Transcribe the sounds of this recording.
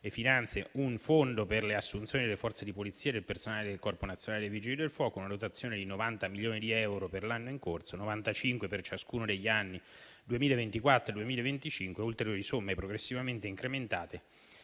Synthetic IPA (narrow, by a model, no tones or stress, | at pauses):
efːinant̪sjeuɱfond̪operleasːunt̪sjoːnid̪elefɔrt̪sed̪ipolit̪sːiːad̪elpersonaːled̪elkɔrponat̪sːjonaːled̪evid͡ʒild̪elfwɔːkounad̪ot̪at̪sːjoːned̪inovant̪amiljoːnid̪iɛwɾoperlanːoiŋkort̪sonovant̪at͡ʃiŋkwepert͡ʃaskuːnod̪eʎːanːi | d̪uemiːlaevent̪ikwat̪ːɾod̪uemiːlaevent̪it͡ʃiŋkweult̪eɾjoːɾisomːepɾoɡɾesːivament̪eiŋkɾement̪aːt̪e